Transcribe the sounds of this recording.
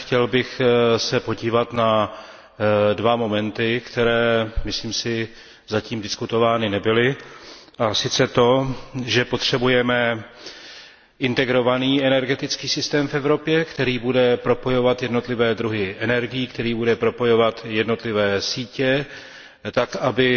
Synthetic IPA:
xcɛlbɪxsɛpo̞ɟiːvat̪na | dvamo̞mɛnt̪ɪkt̪ɛɾɛːmɪsliːmsɪ | zaciːmdɪskut̪o̞vaːnɪnɛbɪlɪʔasɪt͡sɛt̪o̞ʒɛpo̞t̪r̝̥ɛbujɛmɛ | ʔɪnt̪ɛɡɾo̞vaniːɛnɛɾɡɛt̪ɪt͡skiːsɪst̪ɛːmfɛvɾo̞pjɛkt̪ɛɾiːbudɛpɾo̞po̞jo̞vat̪jɛdno̞t̪lɪvɛːd̪ɾuɦɪʔɛnɛɾɡɪjiːkt̪ɛɾiːbudɛpɾo̞po̞jo̞vat̪jɛdno̞t̪lɪvɛːsiːcɛ | t̪akʔabɪ

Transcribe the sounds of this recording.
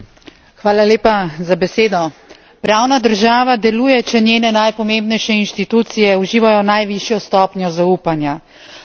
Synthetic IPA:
xʋaːlaleːpazabɛseːd̪ɔ | pɾaːwnad̪əɾʒaːʋad̪ɛlujɛt͡ʃɛnjeːnɛnajpɔmẽːmbnɛjʃɛinʃt̪it̪uːt̪sijɛuʒiːʋajɔnajʋiʃjɔst̪ɔːpnʲjɔzauːpanja

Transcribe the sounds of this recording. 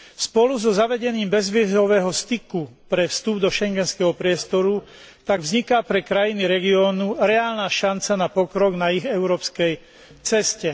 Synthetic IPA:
spɔluzɔzaʋɛɟɛniːmbɛzʋɪɛzɔʋɛːɦɔst̪ikupɾɛfst̪ubd̪ɔʃɛŋɡɛnskɛːɦɔpɾɪɛst̪ɔɾu | t̪aɡvzɲikapɾɛkɾajiniɾɛɡiɔːnuɾɛaːlnaːʃant͡sanapɔkɾɔɡnaiɣɛʊɾɔːpskɛj | t͡sɛscɛ

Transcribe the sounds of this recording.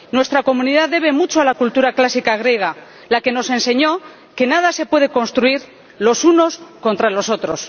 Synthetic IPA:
nwe̞st̪ɾako̞mũnið̞aðe̞βe̞mut͡ʃoalakult̪uɾaklasikaɣ̞ɾje̞ɣ̞a | lake̞no̞se̞nse̞ɲo̞ | ke̞nað̞ase̞pwe̞ð̞e̞ko̞nst̪ɾuiɾ | lo̞suno̞sko̞nt̪ɾalo̞so̞t̪ɾo̞s

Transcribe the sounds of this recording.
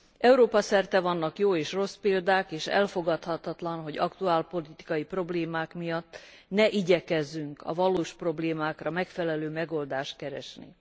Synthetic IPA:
ʔɛuɾoːpɒsɛrt̪ɛvɒnːɒkjoːeːʃro̞speːld̪aːkeːʃɛ̰lfo̞ɡɒt̪hɒt̪ɒt̪lɒnɦo̞ɟɒkt̪uaːlpo̞lit̪i̥kɒjipro̞bleːmaːkmijɒt̪ː | nɛʔiɟɛkɛzːyŋkɒ̰vɒloːʃpro̞bleːmaːkrɒmɛkfɛlɛløːmɛɡo̞ld̪aːʃt̪̚kɛɾɛʃnḭ

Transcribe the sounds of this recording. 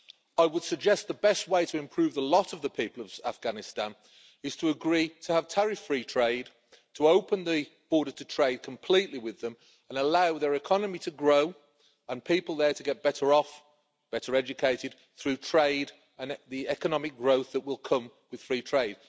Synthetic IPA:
aɪwəd̥səɡ̚d͡ʒɛst̪̚ðəbɛst̚weɪtʰəɪ̃mpʰɹ̥ʉːvðəlɒɾəvðəpʰiˑpəlˠəv̥afɡ̥anɪstãn | ɪz̥tʰəəɡɹiːtʰəːv̥tʰɛɹɪfɹiːtʰɹ̥eɪd | tʰəoʊpə̃nðəb̥ɔːɾətʰətʰɹ̥eɪd̚kʰə̃mpʰl̥iˑʔliwɪðə̃m | ə̃nəlaʊðəɹɪkʰɒnəmitʰəɡɹoʊ | ə̃npʰiˑpəlˠðə˞tʰəɡɛt̚b̥ɛɾəɹɔf | b̥ɛɾəɹɛd͡ʒɨkʰeɪɾɪd̥̪̚ | θɹʉtʰɹ̥eɪɾ | ə̃nðiɛkənɒmɪk̚ɡ̥ɹoʊθðəʔwɪlˠkʰʌ̃m | wɪð̥fɹiːtʰɹ̥eɪd̥̚

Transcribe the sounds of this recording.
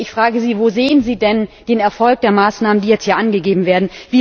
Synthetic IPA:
ɪçfʁ̥aːɡəziːvoːzeːənziːdɛnd̥eːnɛɐfɔlk̚d̥eːɐmaːsnaːməndiːjɛt͡sthiːɐʔanɡəɡeːbm̩veːɐdn̩viː

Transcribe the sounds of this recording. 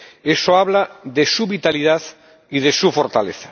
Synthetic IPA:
esoaβlaðesuβit̪aliðað | iðesufoɾt̪aleθḁ

